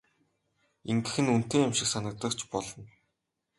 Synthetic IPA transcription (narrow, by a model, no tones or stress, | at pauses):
iŋɡɘ̆xɘ̆nun̥t̪eːamʃɪ̆ksanə̆k̚t̪ə̆kt͡ɕʰpɔɮɞ̆n